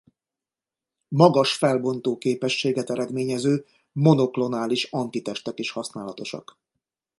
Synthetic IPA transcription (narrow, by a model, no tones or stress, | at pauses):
mɒɡɒʃfɛlbo̞nt̪oːkeːpɛʃːeːɡɛt̪ɛɾɛd̪meːɲɛzøː | mo̞no̞klo̞naːliʃɒnt̪it̪ɛʃt̪ɛkeːʃhɒsnaːlɒt̪o̞ʃɒ̰k